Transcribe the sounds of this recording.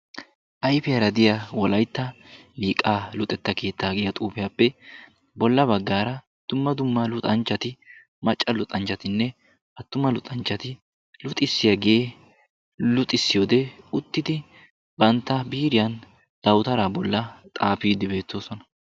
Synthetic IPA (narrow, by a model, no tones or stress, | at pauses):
ʔɐjfɪjɐɾɐd̪ɪjɐwɔlɐjt̪ːɐbiːkʼaːlʊt̪ʼɛt̪ːɐke̞ːt̪ːaːɡɪjɐt̪ʼuːpɪjɐpːɛ | bɔlːɐbɐɡːaːɾɐ | d̪̥ʊmːɐd̪ʊmːɐlʊt̪ʼɐnt͡ʃːɐt̪ɪ | mɐt͡ʃʼːɐlʊt̪ʼɐnt͡ʃːɐt̪ɪnːɛ | ʔɐt̪ːʊmɐlʊt̪ʼɐnt͡ʃːɐt̪ɪ | lʊt̪ʼːɪsːɪjɐɡeː | lʊt̪ʼːɪsːɪjoːd̪ɛʊt̪ːɪd̪ɪ | bɐnt̪ːɐbiːɾɪjɐn | d̪̥ɐwt̪ɐɾaːbɔlːɐt̪ʼaːpiːd̪ɪbe̞ːt̪ːo̞ːsɔnɐ̥